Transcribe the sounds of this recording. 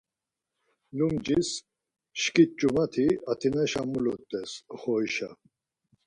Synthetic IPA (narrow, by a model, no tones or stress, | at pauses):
lumd͡ʒis | ʃkʼit͡ʃʼumat̪ʰiat̪ʰinɛʃamulɔt̪ʼːɛsχɔjʃa